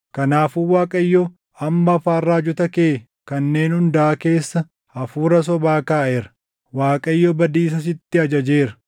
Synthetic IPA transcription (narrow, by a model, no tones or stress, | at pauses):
kɐnaːfuːwaːkʼɐjːɔ | ɐmːɐːfaːrːaːd͡ʒʊt̪ɐkeː | kɐnːe̞ːnhʊnd̪ɐʔɐke̞ːsːɐ | ɐfuːɾɐs̬ɔbaːkaːʔeɾɐ̥ | waːkʼɐjːɔbɐd̪iːs̬ɐs̬ɪt̪ːɪɐd͡ʒɐd͡ʒe̞ːɾɐ̥